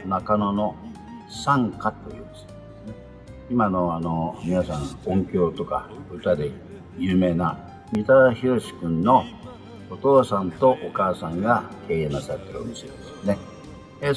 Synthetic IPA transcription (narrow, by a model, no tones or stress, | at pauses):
nakano̞no | sãŋkat̪o̞jɯ̟ːnesesne | imano̞anomʲinasãŋkõŋkʲo̞ːt̪o̞ka̰ɯ̟t̪ad̪e̞ | jɯ̟ːme̞ːna | mʲit̪açiɾo̞ɕi̥kɯ̟̃nːo̞ː | t̪o̞ːsãnt̪o̞ʔokaːsãŋɡake̞ːẽnasaɾet̪ːeɾɯo̰mised̪esɨ̥ne | e